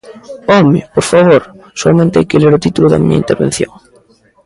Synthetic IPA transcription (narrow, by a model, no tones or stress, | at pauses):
ɔmɪpoɾfaβoɾ | soamẽnt̪ea̰jkeleɾʊt̪it̪ulʊðɐ̰mḭɲɐ̰int̪eɾβḛ̃n̟θjoŋ